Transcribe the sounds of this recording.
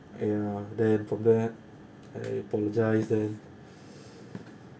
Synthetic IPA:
ajadɛnfɔmdɛ | a̰japɔlɔd͡ʒajsdɛn

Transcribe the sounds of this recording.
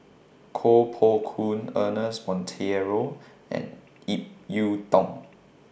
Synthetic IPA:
kʰopʰɔkʰũnənəsmɔ̃ntʰɛɹo | ɛ̰̃n | ip̚jud̥ɔ̃ŋ

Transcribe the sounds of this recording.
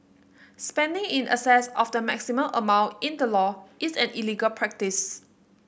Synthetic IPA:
spɛ̃ndɪ̃ŋĩnə̰sɛsɔfdəmɛksimə̃lʔəmãw̃ntĩndəlɔʔisɛ̃niliɡəlpʰɹɛk̚tis

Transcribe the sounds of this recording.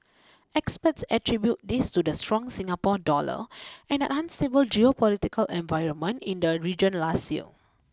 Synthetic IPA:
ɛkspətsətɹibjut̚distudəstɹɔ̃ŋsĩŋapɔdɔlə̰ʔɛ̃nə̰ʔãnstebəld͡ʒiopɔlitikʰəlʔɛ̃nvaɪɹə̃nmə̃ntĩndəɹid͡ʒə̃nlastḭ

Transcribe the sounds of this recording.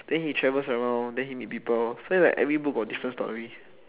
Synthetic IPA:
d̥ɛ̃nhitʰɹɛvəsəɹãndɛ̃nhimit̚pipəlsoisla̰ɪkʔɛ̰vɹibuk̚ɡɔdifɹə̃nstɔ̰ɹi

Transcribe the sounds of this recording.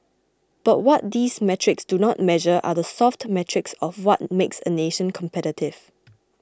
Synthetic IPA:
b̥at̚wɔt̚diːsmɛtʰɹɪksd̥unɔt̚mɛʒəʔa̰ðəsɔftmɛtʰɹɪksɔfwɔt̚meksə̰neʃə̃nkʰɔ̃mpʰɛɾɪtʰɪv̥

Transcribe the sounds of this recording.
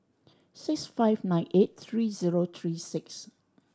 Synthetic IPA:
sɪksfaɪvnãjnʔet̚t̪ʰɹiziɹot̪ʰɹisɪks

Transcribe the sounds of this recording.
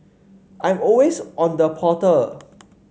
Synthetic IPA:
ʔãj̃mɔlwesʔɔ̃ndəpʰɔtə

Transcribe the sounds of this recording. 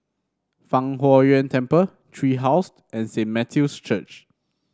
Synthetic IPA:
fãŋɦɔɹiə̃ntʰɛ̃mpə | tʰɹiɦaʊs | ɛ̃nsẽnmɛtʰjust͡ʃət͡ʃ

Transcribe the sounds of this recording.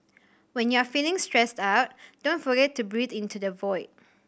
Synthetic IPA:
wɛ̃njɔafilɪ̃ŋstɹɛstaʊt̚d̥õntfɔɡɛtʰːubɹidĩntudəvɔɪt̚

